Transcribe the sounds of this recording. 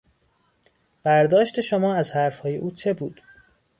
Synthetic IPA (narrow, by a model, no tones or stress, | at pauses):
b̥æɾd̪ɒːʃt̪e̞ʃomɒːæzhæɾfhɒːje̞̰ʔuːt͡ʃʰe̞buːd̪̥